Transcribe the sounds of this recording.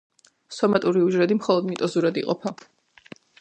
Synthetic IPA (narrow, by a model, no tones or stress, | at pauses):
sɔmat̪ʼuɾiuʒɾɛd̪imχɔlˠɔd̪mit̪ʼɔzuɾad̪iqʼɔpʰa